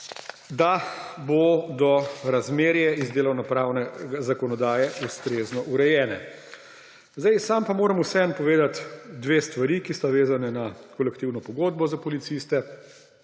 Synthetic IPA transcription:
d̪abod̪ɔɾazmeːɾjɛizd̪eːlɔwnɔpɾaːwnɛɡazakɔnɔd̪aːjɛust̪ɾeːznɔʔuɾɛjɛːnɛ | zd̪ajsaːmpamoːɾɐmusɛɛnpɔʋeːd̪at̪d̪ʋeːst̪ʋaɾikist̪aʋeːzanɛnakɔlɛkt̪iwnɔpɔɡoːd̪̚bɔzapɔlit̪sist̪ɛ

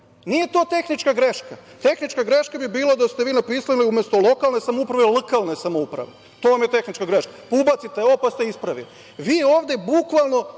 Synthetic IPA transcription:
nije̞t̪o̞ːt̪e̞xnit͡ʃkaɡɾeʃkat̪e̞xnit͡ʃkaɡɾe̞ʃkabibiːlˠad̪ast̪eʋiːnapiːsaliumest̪o̞lˠo̞kalne̞samoupɾaʋelˠkalˠne̞samoupɾa̰ʋe | t̪o̞ːʋamje̞t̪e̞xnit͡ʃkaɡɾeʃkapuːbat̪sit̪eopast̪eispɾaʋḭ | ʋiːoːʋd̪e̞bukʋalˠno̞

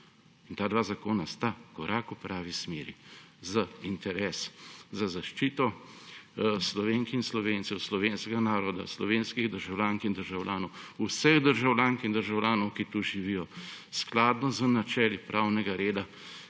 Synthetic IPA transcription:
int̪aːd̪ʋaːzakoːnast̪akɔɾʔaːkupɾʔaːʋismeːɾi | zaint̪ɛɾɛːszazaʃt͡ʃiːt̪ɔ | slɔʋeːŋkinslɔʋeːnt̪sɛwslɔʋeːnskɛɡanaːɾɔd̪a̰slɔʋeːnskiɣd̪əɾʒawlʲaːŋkind̪əɾʒawlʲjaːnɔwusəɣd̪əɾʒawlʲjaːŋkind̪əɾʒawlʲjaːnɔwkit̪uʒiʋijɔsklaːd̪nɔzənat͡ʃɛːlipɾʔaːwnɛɡaɾeːd̪a

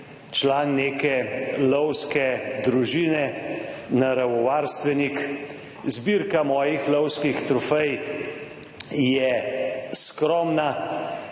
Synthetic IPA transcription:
t͡ʃlaːnːekɛlɔwskɛd̪ɾuʒiːnɛnaɾawɔʋaːɾst̪ʋɛnik | zbiɾkamɔːjixlɔwskixt̪ɾɔfɛj | jɛskɾɔːmna

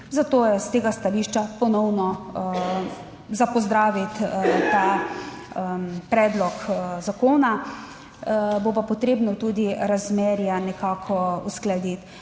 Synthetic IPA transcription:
zat̪oːjɛst̪eːɡast̪aliːʃt͡ʃapɔnɔwnɔ | zapɔzd̪ɾaːʋit̪t̪a | pɾɛːd̪lɔkzakoːna | bopapɔt̪ɾeːbnɔt̪uːd̪iɾazmeɾjanɛkaːkʰɔusklad̪it̪

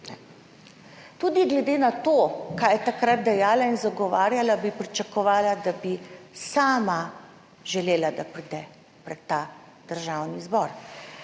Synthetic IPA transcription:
nɛ | t̪uːd̪iɡlɛd̪eːnat̪oːkaːjɛt̪akɾad̪̚d̪ɛjaːlainzaɡɔʋaːɾjalabipɾit͡ʃakɔʋaːlad̪abisaːma | ʒɛleːlad̪apɾiːd̪ɛ | pɾɛt̪ːa | d̪̥əɾʒawnizbɔːɾ

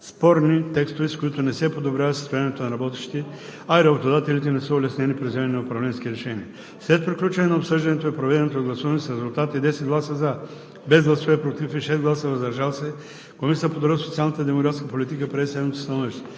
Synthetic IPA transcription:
spɔɾnit̪ɛkst̪oviskoit̪onɛsɛpod̪obɾʲjavət̪səst̪ojanɛt̪onɐɾɐbɔt̪ɛʃt̪i̥t̪ɛ | aiɾɐbot̪od̪at̪ɛlit̪ɛnɛsəolɛsnʲɛnipɾɛzjaninɐopɾɐvlɛnsk̟iɾɛʃɛniə | slɛt̪̚pɾiklʲut͡ʃɐnɛnɐopsɤʒd̪ɐnɛt̪oɛpɾovɛd̪ɛnɛt̪oɡlˠɐsuvənisɾɛzulˠt̪at̪əid̪ɛsɛt̪ɡlˠasəza | bɛzɡlˠɐsovɛpɾot̪ifiʃɛsɡlˠasəvɐzɐɾʒalˠsɛ | komisiəəpod̪oɾisot̪sialˠnət̪əd̪ɛmokɾat̪skəpolʲit̪ikəpɾɛisɛd̪mət̪si̥st̪ɐnɔviʃt̪ɛ̥

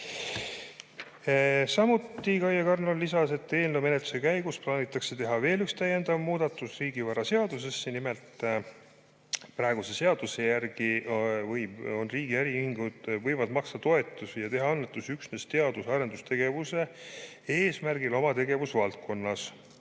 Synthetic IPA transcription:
sɑmut̪ːˑikɑjɑkɑrnonlːisɑse̞t̪ːe̞ːlnewme̞net̪ːˑu̥se̞kæjɡusplɑːnʲit̪ːˑɑkse̞t̪e̞ɦɑve̞ːlykst̪æjːe̞nd̪̥ɑvmuːd̪̥ɑt̪ːˑusriːɡ̥ivɑɾɑse̞ɑd̪us̬e̞sːenime̞lt̪ | prɑeɡ̥use̞se̞ɑd̪̥use̞jærɡ̥ivɤjo̞nriːɡ̥iæɾiyhiŋɡud̪̥vɤ̞jvɑd̪mɑkst̪ɑt̪o̞e̞t̪ːˑusjɑt̪e̞ɦɑɑnːet̪ːˑusyksnest̪eɑd̪usɑɾe̞nd̪ust̪ʰe̞ɡ̥e̞vuse̞ | eːsmærɡilo̞mɑt̪e̞ɡ̥e̞vusvɑlt̪̚ko̞nːɑs

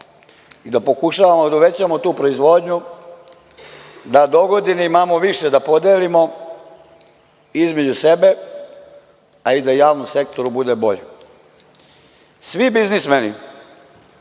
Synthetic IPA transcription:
id̪apo̞kuʃaːʋamod̪auʋe̞t͡ɕamot̪uːpɾoizʋo̞ːd̪ɲu | d̪ad̪oɡod̪iniimaːmoʋiʃed̪apo̞d̪eːlimo̞ | izme̞d͡ʑusebe̞ | aid̪ajaːʋnomse̞kt̪o̞ɾubud̪ebo̞ʎe | sʋibiznismeni

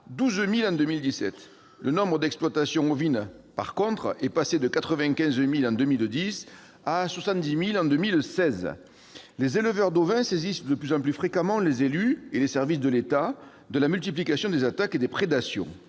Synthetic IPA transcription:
d̪uzmilɑ̃d̪əmild̪isɛt̪ | lənɔ̃bʁəd̪ɛksplwat̪asjɔ̃ovinpa̰ʁkɔ̃t̪χɛpased̪əkat̪χəvɛ̃kʲɛ̃zmilɑ̃d̪əmild̪is | aswasɑ̃t̪̚d̪imilɑ̃d̪əmilsɛz | lezeləvœʁd̪ovɛ̃sezisd̪əplyzɑ̃plyfχekamɑ̃lezelyelesɛʁvis̬d̪əlet̪a | d̪əlamylt̪iplikasjɔ̃d̪ezat̪aked̪epχed̪asjɔ̰̃

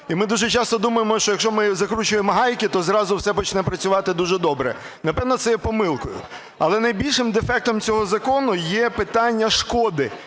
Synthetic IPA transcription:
imɪd̪uʒɛt͡ʃɑst̪ɔd̪umɐjemɔʃt͡ʃɔjɐkʃt͡ʃɔmɪzɐkɾut͡ʃʊjemɔɦɑjkɪt̪ɔzɾɑzʊwsɛpɔt͡ʃnɛpɾɐt͡sʲʊʋɑt̪ɪd̪uʒɛd̪ɔbɾɛ̰ | nɐpɛwnɔt̪sɛjɛpɔmɪlˠkʊjʊ̰ | ɐlˠɛnɐjbʲilʲʃɪmd̪efɛk̚t̪ɔmt͡sʲɔɦɔzɐkɔnʊjɛpɪt̪ɑnʲːɐʃkɔd̪ɪ

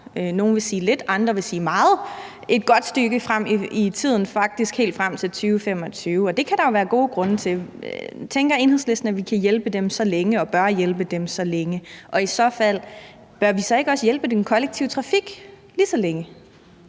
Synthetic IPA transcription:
no̝ːn̩ʋe̝siːle̝d̥ɑ̈nd̥ʁɐʋe̝siːmɑ̈ːð̩ˠ | ʔe̝d̥̚ɡ̥ɒ̽d̥sd̥yɡ̥əfʁam̰iit͡sʰið̞̰ˠn̩fɑ̈ɡ̥̚d̥isɡ̥he̝̰ːld̥fʁam̰t͡sʰe̝lt͡sʰyːʊfem̰ɒ̽t͡sʰyːʊɒ̽d̥e̝kʰæɾ̥ɑ̈jo̝ʋæːɐɡ̥o̝ːɡ̥ʁɔ̽nət͡sʰe̝ | t͡sʰeŋɡ̥ɐe̝ːnhesle̝sd̥n̩æʋikʰæjelb̥əd̥emsɒ̽leŋəɒ̽b̥ɶɐjelb̥əd̥emsɒ̽leŋəʔɒ̽isɒ̽fæl̰ | b̥ɶɐʋisɒ̽e̝ɡ̥ɒ̽səjelb̥əd̥enkʰɒ̽leɡ̥̚t͡sʰiːʊt͡sʰʁɑ̈fiɡ̥ | liːsɒ̽leŋə

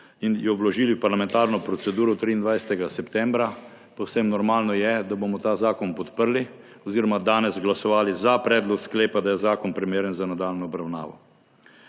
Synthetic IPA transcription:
injɔwlɔʒiːliwpaɾlamɛnt̪aːɾnɔpɾɔt̪sɛd̪uːɾɔt̪ɾiːnd̪ʋajsɛt̪ɛɡasɛpt̪ɛmbɾa | pɔwsemnɔɾmaːlnɔjɛd̪abomɔt̪aːzaːkɔnpɔt̪pəɾli | ɔziːɾɔmad̪aːnɛzɡlasɔʋaːlizapɾɛːd̪lɔkskleːpad̪ajɛzaːkɔnpɾimeːɾjənzanad̪aːlnɔɔbɾawna̰ːʋɔ̰

